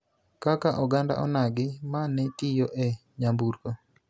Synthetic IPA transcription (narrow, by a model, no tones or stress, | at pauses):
kakaʔɔɡanda̰ʔɔ̰naɡɪmanɛtijoʔɛ | ɲambuɾko